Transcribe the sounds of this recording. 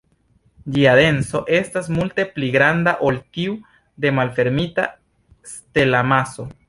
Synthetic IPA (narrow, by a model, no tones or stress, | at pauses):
d͡ʒiade̞nso̞ʔe̞stasmulte̞pliɡɾandaʔoltiu | de̞malfe̞ɾmita | ste̞lamaso̞